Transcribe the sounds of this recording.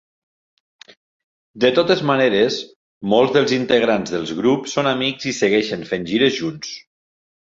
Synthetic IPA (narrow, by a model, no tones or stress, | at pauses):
d̪ət̪ot̪ezmaneɾes | molˠzðəlˠzint̪əɣɾanzðəlˠzɣɾupsːonamikzisəɣɛʃənfenʲʒiɾəzʒuns